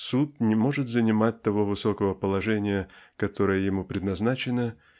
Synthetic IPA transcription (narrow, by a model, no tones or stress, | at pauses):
sut̪̚nʲɪmo̞ʐɨt̪zənʲɪmat̚ʲt̪ɐvo̞vɨso̞kəvəpəlˠɐʐɛnʲɪjəkɐt̪o̞ɾɨjəjɪmupɾʲɪd̪nɐznat͡ɕɪnə